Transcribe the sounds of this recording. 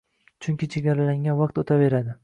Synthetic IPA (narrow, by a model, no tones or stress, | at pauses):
t͡ʃʰʊŋkʲɪt͡ʃʰe̞ɡʲaɾalaŋɡʲanvaq̚t̪ot̪ʰave̞ɾad̪ɪ